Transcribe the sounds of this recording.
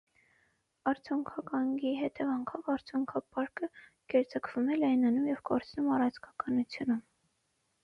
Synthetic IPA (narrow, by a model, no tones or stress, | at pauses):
ɑɾt͡sʰjuŋkʰɑkɑŋɡiɦɛt̪ɛvɑŋkʰɔvɑɾt͡sʰjuŋkʰɑpɑɾkə | kɛɾt͡səkʰv̥umɛlɑjnɑnumjɛvkɔɾt͡sʰnumɑrɑt͡sʰkʰɑkɑnut͡sʰjunum